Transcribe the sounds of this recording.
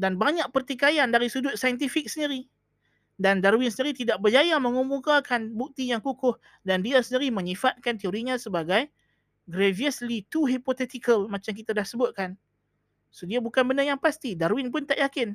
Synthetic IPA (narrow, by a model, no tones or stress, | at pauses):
danbaɲaʔ̚pərt̪ikajandaɾisudʊt̪̚sajənt̪ifik̚səndiɾi | dandaɾuwɪnsəniɾit̪idaʔ̚bərd͡ʒajaməŋumukakanbuk̚t̪ijaŋkukʊh | dandiasəndiɾimə̃ɲifat̪̚kant̪eoɾiɲãsəbaɡaj | ɡɾeviəslit̪uɦipot̪ɛt̪ikəlmat͡ʃamk̬it̪adahsəbʊt̪̚kan | sodiabukanbənəjaŋpast̪idaɾwɪnpʊnt̪aʔjakɪn